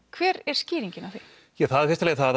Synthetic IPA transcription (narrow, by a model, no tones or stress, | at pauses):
kʰvɛːɾɛɾ̥sciːɾiɲcɪnaθe | jɛɣθaðfɪɾst̪alɛɣaθað